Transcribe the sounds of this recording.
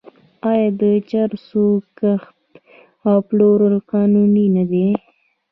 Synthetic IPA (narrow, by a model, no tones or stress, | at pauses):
ɑjɑd̪ət͡ʃaɾsukaxt̪ | awploɾəlqɑnuninad̪e